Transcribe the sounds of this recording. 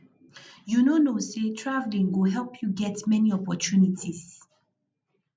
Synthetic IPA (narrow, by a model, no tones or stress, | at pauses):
junonosetʰɹavlĩŋwɪɦɛlˠpʰjuɡɛtmɛniɔpɔt͡ʃunitʰis